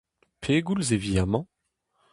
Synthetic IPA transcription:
pʰeɡulzevid̪amɑ̃

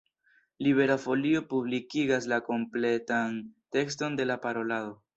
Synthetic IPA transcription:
liβe̞ɾafo̞lio̞publikiɡaslako̞mple̞tante̞ksto̞nde̞lapaɾo̞laðo̞

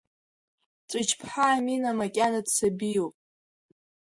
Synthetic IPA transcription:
t͡sʷʼɨt͡ʃʰpʰħaːminamakʲʼanadsabijowpʼ

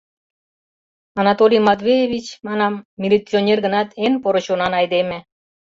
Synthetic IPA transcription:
ɑnɑt̪olʲimɑt̪βʲejeβit͡ɕmɑnɑmːilʲit͡sionʲerɡə̆nɑt̪enpoɾə̆ɕonɑnɑjd̪emʲĕ

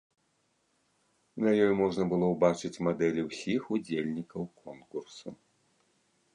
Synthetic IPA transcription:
nɐjɔjmɔʐnɐbɨlˠɔwbat͡ʂɨt͡sʲmad̪ɛlʲiwsʲixud͡zʲelʲnʲikɐwkʰɔnkursu

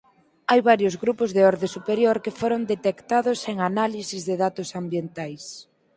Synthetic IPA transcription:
ajβaɾjʊzɣɾupʊzðeɔɾðesupeɾjoɾkefoɾond̪et̪ekt̪aðʊseŋanalisizðeðat̪ʊsambjent̪ajs

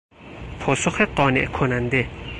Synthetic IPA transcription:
pʰɒːsoxeɢɒːneʔkʰonænd̪e̞

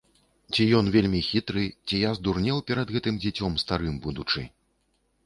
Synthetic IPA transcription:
t͡sʲijɔnvʲelʲmʲixʲit̪ɾɨt͡sʲijazd̪urnʲɛwpʲɛɾɐd̪ɣɛt̪ɨmd͡zʲat͡sʲɔmst̪aɾɨmbud̪ut͡ʂɨ

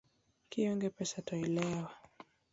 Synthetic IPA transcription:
kiɔŋɡɛpɛsatɔɛlɛwa

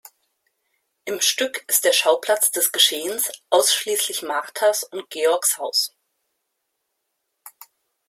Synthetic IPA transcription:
ʔɪmʃtʏkɪstd̥eːɐʃaʊpl̥at͡sd̥ɛsɡ̥əʃeːənsʔaʊsʃliːslɪçmaʁtʰasʊnt̚ɡ̥eːɔɐkshaʊs

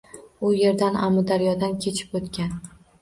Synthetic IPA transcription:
ʊje̞ɾd̪anamʊd̪aɾjɒd̪ankʲʰe̞t͡ʃʰɪ̥pot̪kʲan

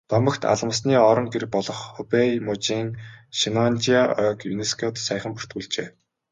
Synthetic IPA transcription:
t̪ɔmə̆kt̪ʰa̰ɮə̆ms̬niːɔɾɞ̆ŋɡeɾɘ̆k̚pɔɮɞ̆χupejmʊt͡ɕiːŋʃinɔnt͡ɕiaœːkjṵneskʰɔt̪sæjχə̆mpu̥r̥t̪ɡuːɮt͡ɕeː

